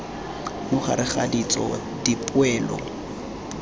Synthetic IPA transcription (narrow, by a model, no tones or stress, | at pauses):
mʊχa̰ɾɪχadit͡sʼɔ̰ | dipʼʊɛːlɔ̰